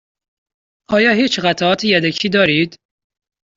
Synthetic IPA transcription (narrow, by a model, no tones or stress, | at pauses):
ʔɒːjɒːɦiːt͡ʃɣæt̪ʰaɒːt̪ʰijæd̪æcʰiːd̪ɒːɾiːd̪̥